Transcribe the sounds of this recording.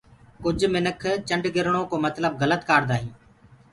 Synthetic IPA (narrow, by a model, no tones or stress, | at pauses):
kʊd͡ʒʱmɪnəkʰt͡ʃəɳɖɡɪɾɳ̃oːkoːmət̪ləb̚ɣələt̪kaːɾd̪aːɦĩː